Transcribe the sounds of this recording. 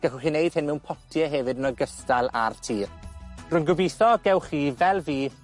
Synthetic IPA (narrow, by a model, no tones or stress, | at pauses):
ɡ̥ɛχʊχiːnejd̥hɪnmɛwnpʰɔtʰjɛɦɛvɨdənɔɡəstalˠa̰rtʰiːrrʊnɡʊbijθɔɡɛwχiːvɛlˠviː